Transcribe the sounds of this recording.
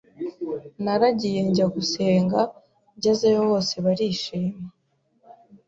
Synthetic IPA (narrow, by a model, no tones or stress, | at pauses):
naɾaɟije̞ɲɟaɡuse̞ːŋɡa | ɟazejoβo̞ːse̞βaɾiːʃiːma